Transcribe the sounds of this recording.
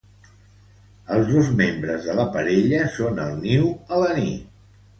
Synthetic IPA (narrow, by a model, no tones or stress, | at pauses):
əlˠzðozmembɾəzðələpəɾeʎəsonəlˠniwələnit̪